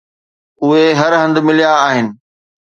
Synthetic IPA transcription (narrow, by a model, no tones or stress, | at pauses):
ʊɦeɦɐɾɦɐ̃nd̪mɪlijaːɦɪnɪ̆